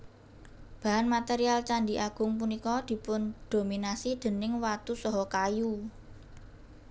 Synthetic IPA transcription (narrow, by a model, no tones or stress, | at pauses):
b̥a̤ɦanmat̪eɾialt͡ʃaɳɖiʔaɡ̥ʊ̤ŋp̬unikɔd̪̥i̤pʊnd̪̥ominasid̪̥ə̤nɪŋwat̪usɔɦɔkaju